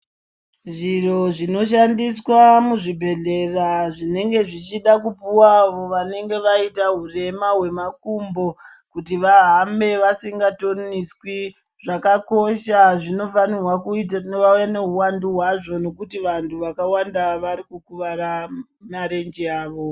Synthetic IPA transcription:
ʐiro̞ʐino̞ʃandiswamuʐibʱe̞ɮe̞raʐine̞ŋɡe̞ʐit͡ʃiɗakupuwaʋo̞ʋane̞ŋɡe̞ʋaitaɦure̞maɦwe̞makumbo̞ | kutiʋaɦambe̞ʋasiŋɡato̞niswi | ʐakako̞ʃaʐino̞fanirwakuitnʋaujane̞ɦuwanduɦwaʐo̞no̞kutiʋantʰuʋakawandaʋaɾikukuʋaɾa | maɾe̞nd͡ʒiaːʋo̞

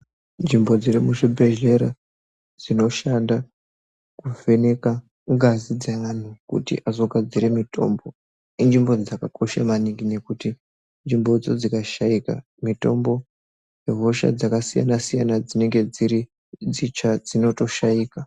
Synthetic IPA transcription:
nd͡ʒimbo̞d͡ziremuʐibʱeʒe̞ɾa | d͡zino̞ʃanda | kuve̞ne̞ka | ŋɡazid͡zaʋan̤ukṵtḭʔazo̞ɡʱad͡ziɾe̞mitʰo̞̰mbo̞ | ind͡ʒimbo̞d͡zakakʰo̞ʃamaniŋɡine̞kuti | nd͡ʒimbo̞d͡zod͡zikaʃaika̰ | mito̞mbo̞ | jeɦo̞ʃa̰d͡zakasija̰nasijanad͡zine̞ŋɡe̞d͡ziɾi | d͡zit͡ʃad͡zino̞to̞ʃaiːka

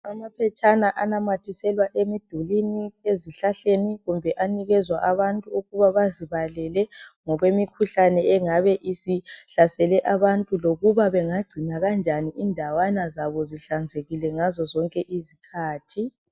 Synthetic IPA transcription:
amapʰɛt͡ʃʼanaʔanamatʰisɛlwaʔemid̥ʱulinieziɬaɬeniɣumbʱɛʔaniɣɛzwaʔaβantʼuuɣuβaβaziβalɛlɛŋɔɣwemikʰuɬanɛɛŋaβɛʔisiɬasɛlɛʔaβantʼuloɣuβaβɛŋaɡ͡ǀʱinaɣand͡ʒʱaniʔindʱawanazaβɔziɬand͡zʱeɣilɛŋazɔzɔŋkʼɛʔizikʰaːtʰi

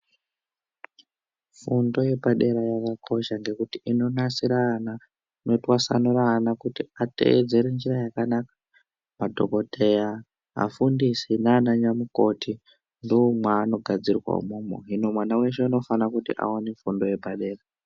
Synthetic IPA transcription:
fundo̞je̞bʱaɗe̞ɾajakakʰo̞ʃaŋɡe̞kutiino̞nasiɾana | no̞twasa̰nuraːnakutiatḛd͡ze̞ɾend͡ʒirajakanakḁ | madʱo̞̰ko̞tʰe̞ja | ɦa̰fundisinaːnaɲamuko̞tʰi | ndomwaːno̞ɡʱad͡zirwa̰ṵmomo̰ɦino̞mwanawe̞ʃeuno̞fanakutḭʔa̰wanefundo̞je̞bʱaɗe̞ːra

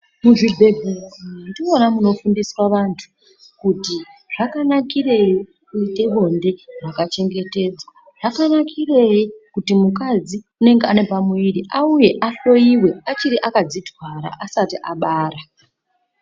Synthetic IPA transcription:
muʐibʱe̞bʱeindionamuno̞fundisrwaʋantʰu̥ | kutiʐ̥akanakire̞ji | kuite̞ʋo̞nde̞ʐakat͡ʃe̞ŋɡe̞te̞ːd͡zwa | ʐ̥akanakʰire̞jikutimukad͡zi | une̞ŋɡeane̞pamuiriʔauje̞ʔaɬo̞iwe̞at͡ʃiɾiʔakad͡zitwaɾa̰ʔasatiʔaɓaːɾa

